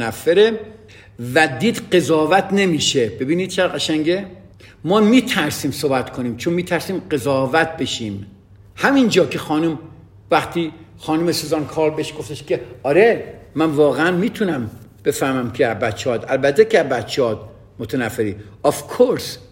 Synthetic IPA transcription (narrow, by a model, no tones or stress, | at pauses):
næfːeɾe | væd̪iːd̪ɢe̞zɒːvæt̪ʰne̞miːʃeb̥e̞biːniːd̪̚t͡ʃʰeɾʁæʃæŋɟe | mɒːmiːt̪ʰæɾsiːmsoːbæt̪kʰoniːmt͡ʃʰonmiːt̪ʰæɾsiːmɢe̞zɒːvæt̪̚be̞ʃiːm | hæmind͡ʒɒːkʰe̞xɒːnum | væxt̪ʰiː | xɒːnumesuːzɑːnkʰɒːɾbe̞ʃɡo̞ft̪eʃke̞ɒːɾemænvɒːɣeænmiːt̪ʰunæmb̥e̞fæhmæmkʰeæbæt̪t͡ʃʰːeɒːt̪ælbæt̪ʰːekeæbæt̪t͡ʃʰːeɒːt̪̚ | mot̪ʰænæfːeɾiːɔfkʰoɾs